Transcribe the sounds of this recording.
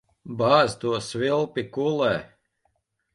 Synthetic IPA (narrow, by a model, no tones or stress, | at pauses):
baːzt̪uɔsvilˠpʲikulɛː